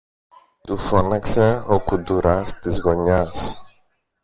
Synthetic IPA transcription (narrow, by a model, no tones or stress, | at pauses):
t̪ufonɐkseokud̪uɾɐst̪izɣo̞ɲɐs